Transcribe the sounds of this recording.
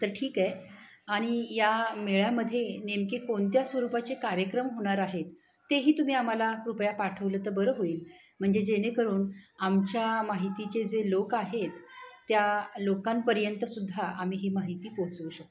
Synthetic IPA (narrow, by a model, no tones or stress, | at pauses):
t̪əɾʈʰiːkae | aɽ̃ijameɭjaməd̪ʱːjenemkekoɳt̪jasʋəɾupat͡sekaɾjəkɾəmɦoɽ̃aɾaɦet̪ː | eɦiːt̪um̤iːam̤alakɾupjapaʈʰəʋlət̪əbəɾəɦoiːl | m̤əɳd͡zed͡ʑenekəɾuːnamt͡ɕjamaɦit̪it͡ɕed͡zelokaɦet̪ːjalokampəɾjənt̪əsud̪ʱːaam̤iːɦimaɦit̪iːpoɦt͡suːɕək̚t̪